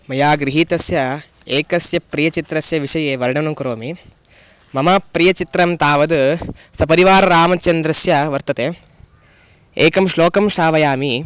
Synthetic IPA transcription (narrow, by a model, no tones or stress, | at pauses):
mɐjaːɡɾiɦiːt̪ɐsjɐ | eːkɐsjɐpɾijɐt͡ʃit̪ɾɐsjɐʋiʂɐjeːʋɐɾɐɳɐnɐŋkɐɾoːmi | mɐmɐpɾijɐt͡ʃit̪ɾɐmt̪aːʋɐd̪sɐpɐɾiʋaːɾɐɾaːmɐt͡ʃɐnd̪ɾɐsjɐʋɐɾt̪ɐt̪eː | eːkɐmʃloːkɐmʃaːʋɐjaːmi